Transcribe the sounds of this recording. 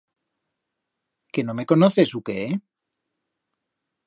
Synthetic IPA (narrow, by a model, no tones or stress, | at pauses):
kenome̞ko̞noθesukee